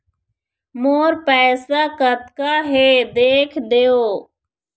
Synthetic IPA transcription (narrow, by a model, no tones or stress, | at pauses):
moːɾpɛːsaːkət̪kaːɦeːd̪eːkʰd̪eːoː